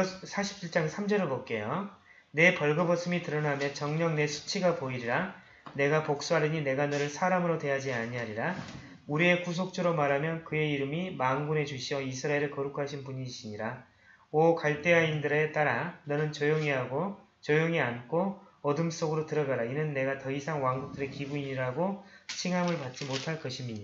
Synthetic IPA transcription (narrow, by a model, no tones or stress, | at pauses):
sʰaɕʰibiɭt͡ɕ͈aŋsʰamd͡ʑʌɾɯɭpʌk͈e̞jo | ne̞pʌɭɡʌbʌs͈ɯmitɯɾʌnamjʌnt͡ɕʌŋɲʌŋne̞sʰu̥t͡ɕʰiɡapoiɾiɾa | ne̞ɡapok̚s͈uɦaɾɯɲine̞ɡanʌɾɯɭsʰaɾamɯɾotwe̞jad͡ʑiaɲiaɲiɾa | uɾie̞kus̬ʰok̚t͡ɕ͈ʰɯɾomaɾɦamjʌnkɯe̞iɾɯmimaŋɡune̞t͡ɕuɕʰiʌisʰɯɾaeɾɯɭkʌɾukʰaɕʰinpuɲiɕʰiɲiɾa | ʌkaɭt͈e̞aindɯɾe̞t͈aɾanʌnɯnt͡ɕʌjoŋiɦaɡo | t͡ɕʌjoŋiankʰoʌdɯms͈oɡɯɾotɯɾʌɡaɾainɯnːe̞ɡatʌisʰaŋwaŋɡuk̚t͈ɯɾe̞kibuiɲiɾaɡot͡ɕʰiŋɦamɯɭpat̚t͡ɕ͈imotʰaɭk͈ʌɕʰimiɲia